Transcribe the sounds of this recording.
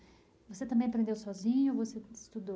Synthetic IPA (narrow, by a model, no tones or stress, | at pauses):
voset̪ɐ̃mbẽj̃ɐpɾẽnd̪ewsɔzĩɲʊvosest̪ud̪o